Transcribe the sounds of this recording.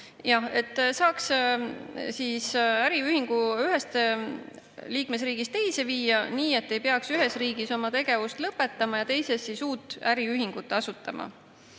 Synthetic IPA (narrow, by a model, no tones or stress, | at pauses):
jɑhe̞t̪ːˑsɑːks | sisæɾiyhiŋɡ̥uyɦe̞st̪ | liːkmesriːɡ̥ist̪e̞jseviːjɑniːe̞t̪ːe̞jpe̞ɑksyɦe̞sriːɡ̥iso̞mɑt̪e̞ɡ̥e̞vust̪lɤpːe̞t̪ːɑmɑjɑt̪e̞jse̞sːisuːt̪ːˑæɾiyɦiŋɡ̥ut̪ːˑɑsut̪ːˑɑmɑ̰